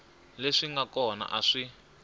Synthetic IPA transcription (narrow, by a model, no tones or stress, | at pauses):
leʂiŋɡakɔna̰ʔaʂi